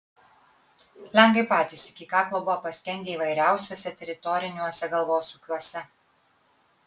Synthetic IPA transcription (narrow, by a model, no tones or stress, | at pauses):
lʲɛŋɡʋɐɪpɑːt̪ʲiːsɪkʲɪkɑːklˠoːbʊʋɐpɐsʲt̪ʲɛnʲd̪ʲeːiːʋɐɪɾʲæˑʊsʲuɔsʲɛt̪ʲɛɾʲɪt̪ɔɾʲɪnʲuɔsʲɛɡɐlˠʋoːsuːkʲuɔsʲɛ